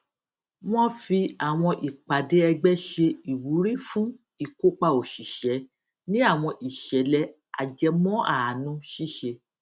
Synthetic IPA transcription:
w̃ɔ̃˦fi˧a˨w̃ɔ̃˧ʔi˨k͡pa˨de˦ɛ˧ɡ͡bɛ˦ʃe˧i˨wu˨˦ɾi˦fũ˦ | i˦˨ko˦k͡pa˧o˨ʃi˨ʃɛ˨˦ | nĩ˦a˦˨w̃ɔ̃˧ʔi˨ʃɛ˨˦lɛ˧˦ | a̰˨d͡ʒɛ˧˦mɔ̃˦a˦˨a˨nũ˧˦ʃi˦ʃe˧

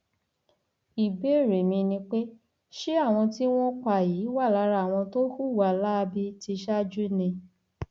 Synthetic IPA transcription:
i˨be˨˦˨ɾe˨mĩ˧nĩ˧k͡pe˦ | ʃi˦a˦˨w̃ɔ̃˧ti˦w̃ɔ̃˦k͡pa˦˨jiː˨˦wa˦˨la˨˧˦ɾa˧˨w̃ɔ̃˧to˦ku˦˨wa˨la˦˧bi˦ti˧ʃa˦d͡ʒu˦nĩ˧

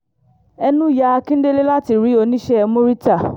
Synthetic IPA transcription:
ɛ˧nũ˦˨ja˧kĩ˦n̩˦de˦le˦la˦ti˨ɾi˨˦o˧nĩ˦ʃɛ˦ɛ˧mũ˦ɾi˦ta˦˨

